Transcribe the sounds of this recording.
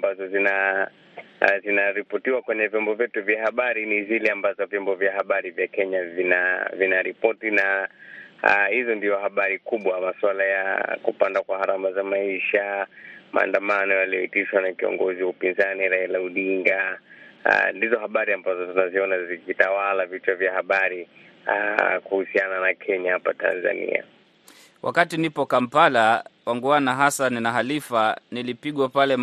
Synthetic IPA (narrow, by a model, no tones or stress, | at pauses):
mbazɔzina | zinaɾipɔtiwakwɛɲɛvjɔmbɔvjɛtuvjahaɓaɾinizilɛambazɔvjɔmbɔvjahaɓaɾivjakɛɲavinavinaɾipɔtina | hizɔndiɔhaɓaɾikuɓwamaswalaja̰kupandakwahaɾamazamaiʃama̰ːndamanɔjaliɔitiʃwanakiɔ̰ŋɡɔziwaupinzaniɾailauɗiŋɡa̰ | ndizɔhaɓaɾiambazɔtunaziɔnazikitawalavitavjahaɓaɾi | kuhusiananakʰɛɲahapata̰nza̰nḭa̰ | wʔa̰katinipɔkam̩palawaŋɡuanaɦasaninaɦalifanilipiɠwapalɛ